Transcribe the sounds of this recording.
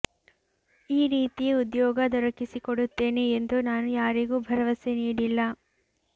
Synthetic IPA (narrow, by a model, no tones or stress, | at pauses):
iːɾiːt̪ijeud̪jɔːɡɐd̪ɔɾɐkisikoɽut̪ːe̞ːneːnd̪unaːnujaːɾiɡuːbʱɐɾɐʋɐseniːɽilːɐ